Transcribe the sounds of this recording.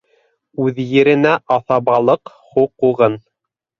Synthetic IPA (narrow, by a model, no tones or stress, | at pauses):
ʉðjɘ̆ɾɘ̆næʔɑθɑβɑlˠɤq | huqːuʁɤn